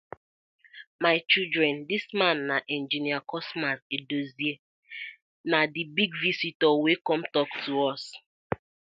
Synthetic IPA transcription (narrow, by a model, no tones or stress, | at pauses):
maɪt͡ʃidɾɛndismãnːaʔɛ̃nd͡ʒiniakɔsmasedozie | nadibiɡvisitɔwekɔmtɔktʰuɔs